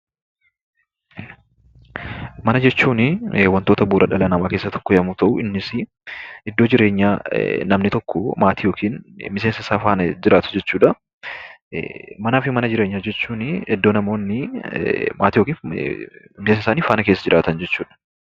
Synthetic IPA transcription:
mɐnɐd͡ʒɛt͡ʃːuːnɪwɐnt̪oːt̪ɐbuːɾɐᶑɐlɐnɐmaːkeːsːɐt̪ɔ̥kːɔjɐmuːt̪ɐʔuɪnːɪsɪ | ɪd̪ːoːd͡ʒɪɾe̞ːɲːaːnɐmnɪt̪ɔkːɔmaːt̪ʰijo̞ːkʰiːnmɪseːnsɐɪsaːfaːnɐd͡ʒɪɾʔaːt̪ʊ̥d͡ʒɛt͡ʃːuːᶑɐ | mɐnaːfɪmɐnɐd͡ʒɪɾe̞ːɲːaːd͡ʒɛt͡ʃːuːnɪɛd̪ːo̞ːnɐmo̞ːnːɪ | maːt̪ijokiːn | mɪsensɪsaːniːfaːnɐke̞ːs̬ːɐd͡ʒɪɾʔaːt̪ɐnd͡ʒɛt͡ʃːuːᶑɐ̥

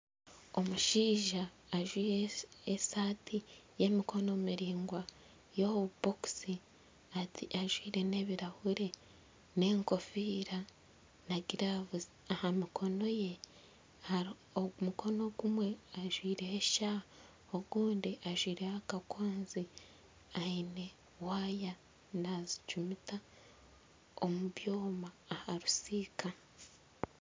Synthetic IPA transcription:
o̞muʃiːʒaː | ʒwiːɾeesaːtʰije̞mikʰo̞no̞miɾiːŋɡwa | jo̞βuboksi | atiʔaʒwiːɾe̞ne̞βiɾahuɾe̞ | ne̞ːŋko̞fiːɾa | naɡiɾaβ | ahamikʰo̞no̞je̞ | oumukʰo̞no̞ɡumwe̞aʒwiːɾeheʃa | oɡuːndiʔaʒwiːɾehakakwaːnzi | aine̞ | waːja | nazi̥t͡ʃumita | omuβjo̞ːmaːhaɾusiːkʰa

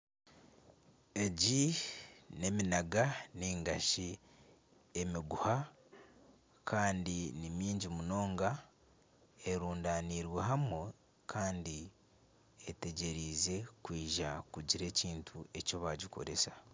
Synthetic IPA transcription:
e̞ɟi | ne̞minaɡaniːŋɡaʃi | e̞miɡuha | kʰaːndinimiːɲɟimuno̞ːŋɡa | e̞ɾuːndaniɾwe̞ɦamu | kʰaːndi | ete̞ɟe̞ɾiːze̞kwiːʒakuɟiɾe̞ːciːntʰue̞co̞βaːɟiko̞̰ɾe̞sḁ

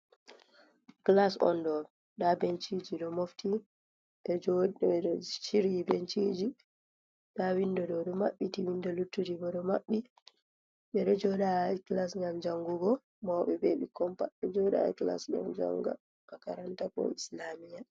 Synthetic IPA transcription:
klasɔ̰ndɔ | ɗabent͡ʃid͡ʒiɗɔmoftʰi | ɓɛd͡ʒɔ | t͡ʃiɾibent͡ʃid͡ʒi | ɗawindɔɗɔɗɔmaɓːitiwindɔlutːudibɔɗɔmaɓːi | ɓɛɗɔd͡ʒɔɗajklasŋɡamd͡ʒaŋɡuɡɔ | mɔɓɛbeɓikɔmpaɓɛd͡ʒɔɗa̰jkla̰sɡɔ̰md͡ʒa̰ŋɡa̰ | kakaɾantakɔ̰islamija

